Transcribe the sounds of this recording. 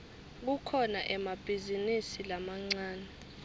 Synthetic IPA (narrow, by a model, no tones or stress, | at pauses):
k̬ukʰɔnaʔɛmab̥ʱizinisilamaŋ͡ǀaːnɛ